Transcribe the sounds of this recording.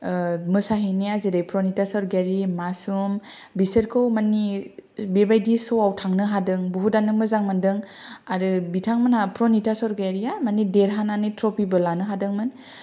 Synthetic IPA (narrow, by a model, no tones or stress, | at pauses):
mɯsaɦiniazedajpɾɔnitasɔɾɡaɾimasum | bisəɾkʰɯwmanibebajdisɔwawtʰaŋnɯɦadɯŋbuɦudanɯmɯzaŋmandɯŋaɾɯbitʰaŋmanapɾɔnitasɔɾɡaɾijamanideɾɦananitɾɔpibɯlanɯɦadɯŋmɯn